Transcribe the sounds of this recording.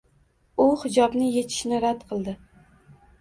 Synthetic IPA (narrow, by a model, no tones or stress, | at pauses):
ʊhɪd͡ʒɒbnɪje̞t̪ʰɪ̥ʃnɪɾad̪̥qʰɨlˠd̪ɪ